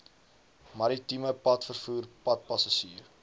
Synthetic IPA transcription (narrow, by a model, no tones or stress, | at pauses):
mɐɾitiməpɐtfərfuːrpɐt̚pɐsɐʃiːər